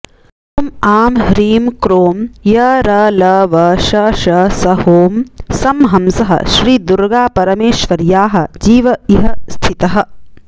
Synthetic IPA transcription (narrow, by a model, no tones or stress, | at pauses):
t̪umaːmɦɾiːmkɾoːmjɐɾɐlɐʋɐʃɐʃɐsɐhoːmsɐmɦɐmsɐɦɐ̰ʃɾiːd̪uɾɡaːpɐɾɐmeːʃʋɐɾjaːɦɐ̆d͡ʒiːʋɐiɦɐst̪ʰit̪ɐɦɐ̆